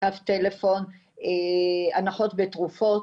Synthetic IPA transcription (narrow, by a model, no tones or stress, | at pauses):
aft̪ele̞fo̞n | eanaχo̞tbetʁufo̞